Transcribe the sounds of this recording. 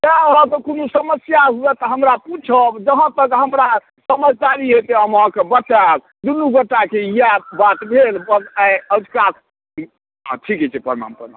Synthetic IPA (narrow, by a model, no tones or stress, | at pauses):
t̪aat̪ɔkonusəməsjaɦuɛt̪ɔɦəmɾaput͡ʃʰəbd͡ʒəɦə̃t̪əkɦəmɾa | səməd͡ʒʱd̪aɾiɦet̪eəmãkebəʈːa | d̪unuɡəʈːakeijabat̪bʱelbəaəd͡ʒ̪kak̪ | ʈʰikɦɛt͡ʃʰɛpəɾma̰mpəɾma̰